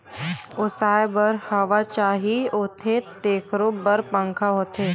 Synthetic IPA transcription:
ʊsaːebəɾhəʋat͡ʃaːɦioːt̪ʰet̪eːkʰɾobəɾpə̃ŋkʰaɦoːt̪ʰeː

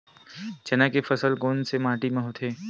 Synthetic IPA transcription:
t͡ʃɐnakefəsəlɡoːnsemãːʈimẽɦot̪ʰeː

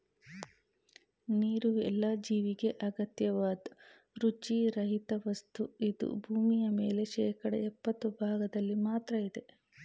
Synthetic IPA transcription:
niːɾuɛ̰lːaːd͡ʒiːʋiɡe̞ʔɐɡɐt̪jɐʋaːd̪ | ɾut͡ʃiɾɐɦit̪ɐʋɐst̪uid̪ṵbʱuːmijɐme̞ːle̞ʃɛːkɐɽɐ̰ɛpːɐt̪ːubʱaːɡɐd̪ɐlːimaːt̪ɾɐid̪e̞

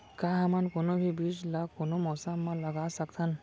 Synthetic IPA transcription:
kaɦamankonobʱibid͡ʒlakonomɔsamːãləɡasək̚t̪ʰən

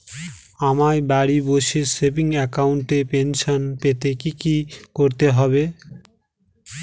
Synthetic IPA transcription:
amaɾbaɽiboʃesepiŋɛkawuɳʈepenʃonpet̪ekikikoɾt̪eɦɔbe

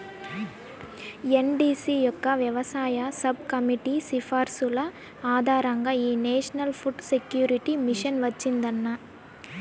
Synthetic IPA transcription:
enɖiːsijɔkːɐʋjɐʋɐsaːjɐsɐb̚kɐmiʈisifaːɾsulɐ | aːd̪ʱaːɾɐŋɡaːiːneːʂɐnɐlpʰuʈsekjuːɾiʈimiʂɐnʋɐt͡ʃːind̪ɐnːɐ

